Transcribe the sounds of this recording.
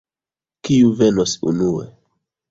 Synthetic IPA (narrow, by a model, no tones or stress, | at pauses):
kiuve̞nosṵnuḛ